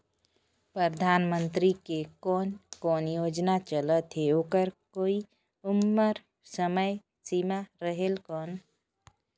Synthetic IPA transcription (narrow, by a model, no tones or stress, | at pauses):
pɾəɾəd̪ʱaːnmənt̪ɾikekɔːnkɔːnjoːd͡ʒnat͡ʃələt̪ɦeoːkəɾkoːi | ʊmːəɾ | səməj | simaɾəɦelkɔːn